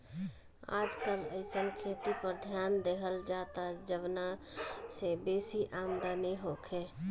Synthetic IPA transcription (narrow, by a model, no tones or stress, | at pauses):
a̰ːd͡ʒkələɪsənkʰeːt̪ipəɾd̪ʱjaːnd̪eɦəld͡ʒaːt̪ad͡ʒəbnasebeːsiʔaːmd̪anɛɦokʰe